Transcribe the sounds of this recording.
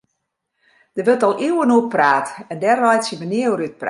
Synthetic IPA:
d̥əʋøtɔlˠʔiwənuəpraːtɛndɛrʋɔjsjəʋəniəwryt̚pra

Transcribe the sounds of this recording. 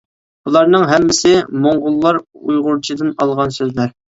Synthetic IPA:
bulˠɑɾnɨŋɦɛmːɪsɪmoŋʁʊlˠːɑɾṵjʁʊɾt͡ʃʰid̪ɨnɑlˠʁɑnsøzlæɾ

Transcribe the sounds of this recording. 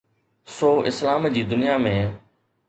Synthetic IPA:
soːʔɪslaːmd͡ʑiːd̪ʊnijaːmẽː

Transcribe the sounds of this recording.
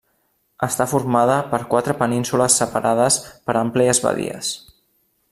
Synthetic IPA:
əst̪afurmað̞əpəɾkwat̪ɾəpəninsuləsːəpaɾʔað̞əspəɾəmplɛəzβə̰ðḭə̰s

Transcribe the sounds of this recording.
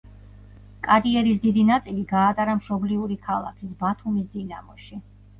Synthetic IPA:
kʼaɾiɛɾisd̪id̪inat̪sʼiliɡaːt̪ʼaɾamʃɔbliuɾikʰalˠa̰kʰisbat̪ʰumisd̪inamɔʃi

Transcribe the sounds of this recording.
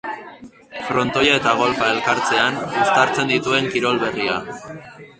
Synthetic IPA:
fɾo̞nt̪o̞jae̞t̪aɣ̞o̞lfae̞lkaɾt͡se̞anust̪aɾt͡se̞nd̪it̪ue̞ŋkiɾo̞lβe̞ria̰

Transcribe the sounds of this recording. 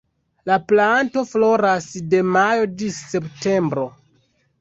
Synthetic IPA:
laplanto̞flo̞ɾasde̞majo̞d͡ʒise̞pte̞mbɾo̞

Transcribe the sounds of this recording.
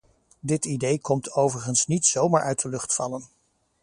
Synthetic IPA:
dɪtidejkɔmtʰowvəɹχənsnitsowmaːɹʔœɥt̚dəlɵχtfɑlən

